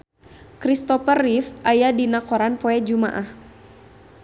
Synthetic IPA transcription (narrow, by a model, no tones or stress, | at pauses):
kɾist̪ɔfərifʔajadinakɔɾanpɔɛd͡ʒuma̰ʔah